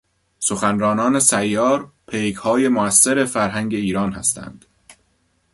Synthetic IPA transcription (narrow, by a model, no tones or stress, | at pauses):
so̞xænɾɒːnɒːne̞sæjːɒːɾpʰejɡhɒːje̞moæsːeɾe̞fæɾɦæŋɟe̞iːɾɒːnhæ̰st̪ʰæ̰nd̪̥